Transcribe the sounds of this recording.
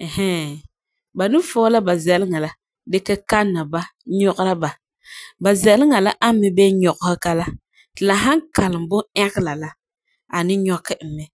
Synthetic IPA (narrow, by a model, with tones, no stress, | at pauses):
ɛ˨hɛ˦ | ba˨nɨ˦fo˦la˦ba˨zɛ˨lɪ˦ŋa˨la˨ | dɛ˦kɛ˦ka˦nːa˨ba˦ɲɔ˦ʔla˦ba˨ | ba˨zɛ˨lɪ˦ŋa˨la˦ʔa˦mɪ˦bɛ˦ɲɔ˨ɣʊ˦hɪ˦ka˦la˦˨ | la˨ɦa˦ŋka˨lɨ˨m˨bʊ˦ɛ˦ɡɪ˦la˨la˦ | a˨nɪ˦ɲɔ˦kɪ˦m̩˨mɛ˨